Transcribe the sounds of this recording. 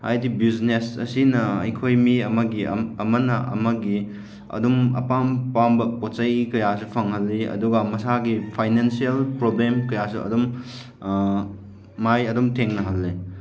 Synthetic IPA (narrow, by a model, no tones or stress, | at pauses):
ha̰jtibiznesɐ̰sinɐɐ̰jkʰojmiɐmɐɡiɐmɐnɐʔɐ̰mɐɡi | ɐ̰dumɐ̰pampambɐpotsɐjkɐjasupʰɐŋɦɐlːiɐ̰duɡamɐsaɡipʰajnensielpɾoblemkɐjasuɐ̰dum | ajɐdumtʰeŋnɐɦɐlːi